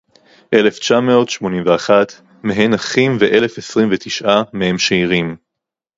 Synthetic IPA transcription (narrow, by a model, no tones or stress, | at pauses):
ʔe̞left͡ʃameotʃmo̞nĩmveaχat̪ | meɦenaχimveʔe̞lefesʁimvet̪iʃʔamehe̞mʃeiʁim